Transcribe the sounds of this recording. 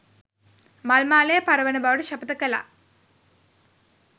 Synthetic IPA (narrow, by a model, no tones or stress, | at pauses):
malmaːlejəpaɾəʋənəbaʋəʈəʃapət̪əkəla̰